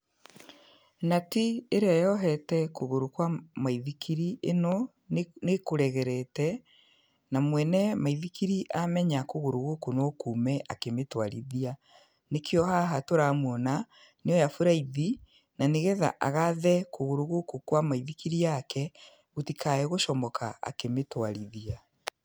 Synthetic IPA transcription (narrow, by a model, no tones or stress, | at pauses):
natieɾeajɔɦɛtɛkoɣoɾokwamaiðikʰiɾiʔenɔ | nekoɾɛɣɛɾɛtɛ | namwɛnɛmaiðikiɾiʔamɛɲakoɣoɾoɣokonokuːmɛʔa̰kemetwaɾḭðia | nekʰeɔhaɦatoɾamwɔna | neɔjafuɾaiði | naneɣɛða̰ʔa̰ɣaðɛkoɣoɾoɣokokwamaiðikiɾijakɛ | ɣotikʰaɛɣoʃɔmɔkaa̰kemetwaɾiðia